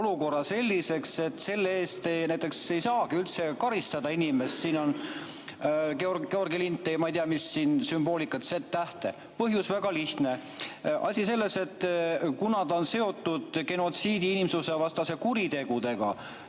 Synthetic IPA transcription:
oluko̞rːɑse̞lʲːise̞kse̞t̪ːˑse̞lːee̞ːst̪enæjt̪ːˑe̞kse̞jsɑːɡ̥iylt̪se̞kɑɾist̪ɑd̪̥ɑinimest̪siːno̞n | keorɡeo̞rɡilint̪ːˑejɑmɑijt̪iɑmisːiːnsymb̥o̞ːlikːˑɑt̪set̪ːæht̪e̞̰ | pɤɦjusvæɡ̥ɑliht̪ne̞ | ʔɑ̰sʲise̞lːe̞se̞t̪ːkunɑt̪ɑonse̞o̞t̪ːˑud̪̥ke̞no̞t̪siːd̪iinimsuse̞vɑst̪ɑse̞kuɾit̪e̞ɡ̥ud̪e̞ɡ̥ɑ̰

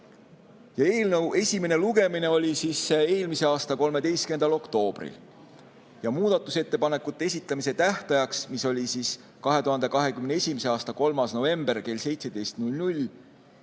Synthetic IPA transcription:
jɑe̞ːlnəwe̞sʲime̞ne̞luɡe̞mine̞o̞lʲisiːsːe̞ːlmise̞ɑːst̪ɑko̞lme̞d̪̥e̞jst̪kye̞nd̪̥ɑlo̞kt̪o̞ːb̥rḭl | jɑmuːd̪̥ɑt̪ːˑuse̞t̪ːe̞pɑne̞kːˑut̪ˑːee̞s̬ʲit̪ˑlɑmise̞t̪æht̪ɑjɑksmiso̞lʲisis | kɑɦe̞t̪uɦɑnd̪e̞kɑɦe̞kymneesʲimise̞ɑːst̪ɑko̞lmɑsno̞ve̞mb̥e̞rke̞lse̞jt̪se̞d̪̥e̞jst̪nulʲnulʲ

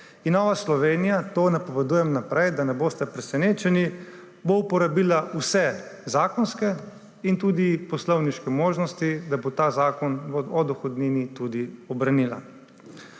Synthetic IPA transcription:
inːɔːʋaslɔʋeːnijat̪oːnapɔʋɛd̪uːjɛmnapɾɛjd̪anɛboːst̪ɛpɾɛsɛneːt͡ʃɛni | boupɔɾabiːlausɛzaːkɔnskɛ | int̪uːd̪ipɔslɔwniʃkɛmoːʒnɔst̪id̪abot̪aːzaːkɔnɔd̪ɔxɔd̪niːnit̪ud̪iɔbɾanila̰

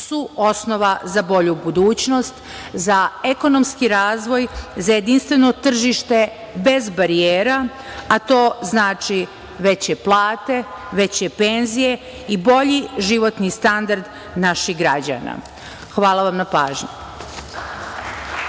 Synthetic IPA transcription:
suo̞snoʋazabo̞ʎubud̪uːt͡ɕno̞st̪ | zae̞ko̞no̞mskiɾaːzʋo̞jzaje̞d̪inst̪ʋeno̞t̪r̩ʒiʃt̪e̞ | be̞zbaɾieːɾa | at̪o̞ːznaːt͡ʃi | ʋe̞t͡ɕeplˠaːt̪e̞ʋe̞t͡ɕepe̞nzije | ibo̞ʎiʒiʋo̞t̪nist̪and̪aɾd̪ | naʃiɣɡɾad͡ʑa̰na̰ | xʋaːlˠaʋamnapaːʒɲu

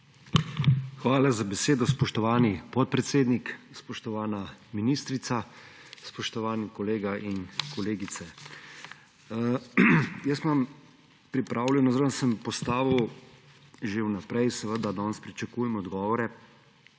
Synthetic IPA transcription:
xʋaːlazabɛseːd̪ɔspɔʃt̪ɔʋaːnipɔt̪̚pɾɛt̪seːd̪nikspɔʃt̪ɔʋaːnaminiːst̪ɾit̪sa | spɔʃt̪ɔʋaːnikɔleːɡaʔinkɔleːɡit̪sɛ | jəsmam | pɾipɾaːwlʲɛnɔzaɾənsəmpɔst̪aːʋu | ʒeuwnapɾɛjsɛʋəd̪ad̪ɔnspɾit͡ʃakuːjɛmɔd̪ɡɔːʋɔɾɛ

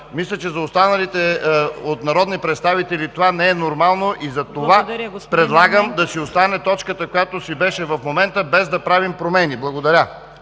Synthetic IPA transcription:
mislʲɛt͡ʃɛzɐost̪anɐlit̪ɛot̪nɐɾɔd̪nipɾɛt̪st̪avit̪ɛlit̪ovanɛɛnoɾmalˠnoʔizɐt̪ovapɾɛd̪lˠaɡəmd̪ɐsiost̪anɛt̪ɔt͡ʃkət̪əkojat̪osibɛʃɛvɐfmomɛnt̪əbɛzd̪ɐpɾavimpɾomɛniblˠɐɡod̪ɐɾʲa

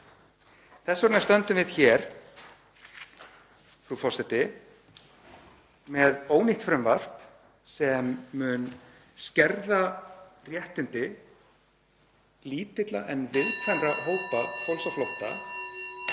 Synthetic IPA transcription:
θɛsɔɾnːast̪œnt̪ʏmvɪðçɛɾ̥ | fɾufɔrsɛt̪ɪ | mɛðoːwniht̪fɾʏmvar̥p | sɛmːʏn | scɛɾðarjɛht̪ɪnt̪ɪ | liːt̪ɪt̪laʔɛnvɪðt̪fanraɦoːwpafowlsawflowht̪a̰

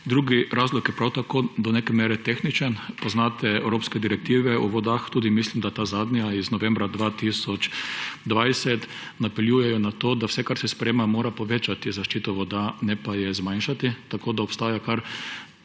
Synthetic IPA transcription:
d̪ɾuːɡiɾaːzlɔkjɛpɾawt̪akoːd̪ɔneːkɛmeːɾɛt̪exnit͡ʃənpɔznaːt̪ɛɛwɾoːpskɛd̪iɾɛk̚t̪iːʋɛɔʋɔd̪axt̪uːd̪imislimd̪at̪azaːd̪nʲaiznɔʋɛ̃mbɾad̪ʋaːt̪isɔt͡ʃd̪ʋajsɛt̪ | napɛljuːjɛjɔnat̪oːd̪awsɛkaɾsɛspɾɛjeːmamoːɾapɔʋeːt͡ʃat̪izaʃt͡ʃiːt̪ɔʋɔd̪anɛpajɛzmajnʃat̪it̪akoːd̪aɔpst̪aːjakaɾ

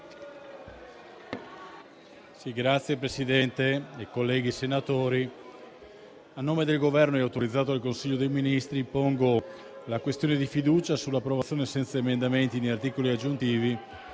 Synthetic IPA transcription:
siɡɾat̪sːjepɾesid̪ɛnt̪eekolːɛːɡisenat̪oːɾi | anːoːmed̪elɡovɛrnoɛawt̪oɾid̪zːaːt̪oalkonsiʎːod̪ejminist̪ɾipoŋɡo | lakwest̪joːned̪ifid̪uːt͡ʃasulːapːɾovat̪sːjonesɛnt̪saemend̪ament̪inejart̪iːkoliad͡ʒːunt̪iːvi

